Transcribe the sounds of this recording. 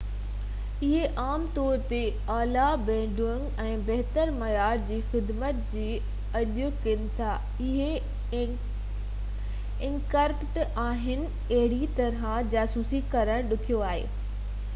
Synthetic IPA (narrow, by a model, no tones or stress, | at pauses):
ɪɦeʔaːmt̪ɔːɾt̪e | aːlabɛ̃ːɖʱuəŋɡɛ̃ːbɛɦt̪əɾmɐjaːɾd͡ʑiːxɪd̪mət̪d͡ʑiː | ɐʄʊkɪnɪ̆t̪ʰa | ɪɦe | ɪ̃ŋkəɾkʈaːɦɪnɪ̆ | ɐɦɪɽit̪ɐɾãd͡ʑaːsuːsikɐɾəɽ̃ɗʊkʰijoaːɦḛː